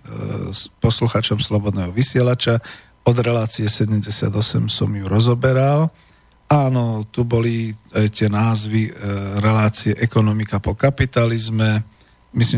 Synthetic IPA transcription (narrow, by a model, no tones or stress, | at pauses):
spɔsluxaːt͡ʃɔmslɔbɔd̪nɛːɦɔʋisɪɛlat͡ʃa | ɔd̪ɾɛlaːt͡siɛsɛɟɛmɟɛsɪa̰d̪ɔsɛmsɔmjuɾɔzɔbɛɾal | aːnɔt̪ubɔliajt̪ɪɛnaːzʋiɾɛlaːt͡siɛʔɛkɔnɔmikapɔkapit̪alizmɛ | misli